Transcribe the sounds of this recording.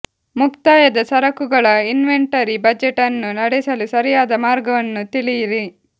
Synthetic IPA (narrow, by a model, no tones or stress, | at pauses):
mukt̪aːjɐd̪ɐsɐɾɐkuɡɐɭɐinʋeɳʈɐɾibɐd͡ʒeʈɐnːunɐɽɛsɐlusɐɾijaːd̪ɐmaːɾɡɐʋɐnːut̪iɭijiɾi